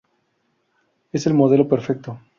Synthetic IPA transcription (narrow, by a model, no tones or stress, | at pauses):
ese̞lmoðe̞lopeɾfek̚t̪o